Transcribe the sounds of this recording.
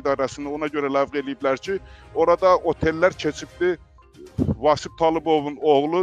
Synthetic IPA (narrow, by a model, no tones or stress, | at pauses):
d̪ɑːɾɑsɨnonɑɟøɾɛlævʁelijiplæɾt͡ʃʰioɾɑd̪ɑʔot̪ʰelːæɾt͡ʃʰet͡ʃʰip̚t̪ɪ | vɑːsɪp̚t̪ʰɑːlˠɨbovunoʁlˠu